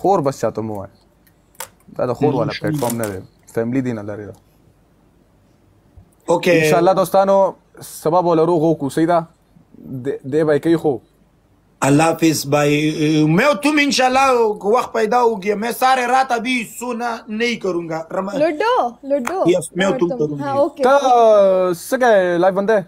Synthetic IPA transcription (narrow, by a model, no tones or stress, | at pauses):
xoːɾbast͡ʃaːt̪əmowa̰ːj | d̪a̰ːd̪əxoːɾwaːlapleʈfoɾmnad̪ḛ | feːmlid̪inalaɾed̪a | okeɪnʃaːlːaːd̪ost̪aːno | sɐbabolaɾoɣoːkusɐid̪a | d̪ed̪ebaːjkaixo | alːaːfɪsbajmewt̪umɪnʃalːakəwaxt̪̚pajd̪aoɡiemesaːɾeɾaːt̪abisonanəikaɾuŋɡaɾamaɖolɖomewt̪umkaɾuot̪ə | səkalafbənd̪e